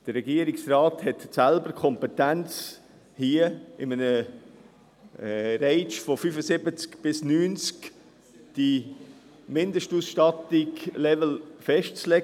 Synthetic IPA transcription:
d̥əɾɛɡiəɾiksraːthɛtsælbəɾkʰɔmpɛt̪ænt͡s | hiəɪmənə | ɾɛɪt͡ʃfofyfəsɪbət͡skb̥ɪsnyːnt͡sk | d̥i | mɪndəʃtusʃtɑtiɡlɛvəl̩fɛʃtt͡slɛɡ

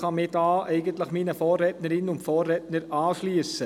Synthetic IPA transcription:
χɑmɪdɑːɛɪɡənt̪ləχmiːnəfɔːrɛtnəɾɪnʊntfɔːrːɛtnəɾɑːʃlyəsə

